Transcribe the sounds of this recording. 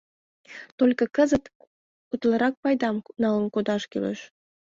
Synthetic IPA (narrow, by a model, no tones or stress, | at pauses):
t̪olʲkə̆kəzət̪ | ut̪ləɾɑk̚pɑjd̪ɑmnɑlənkod̪ɑʃkḛlḛʃ